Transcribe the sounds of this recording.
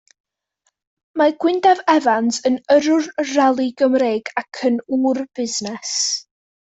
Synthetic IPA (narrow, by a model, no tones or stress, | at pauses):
maɡ̥wɪndavɛvantənəɾʊrralˠiɡəmreːɡakʰənuːrb̥ɪznɛs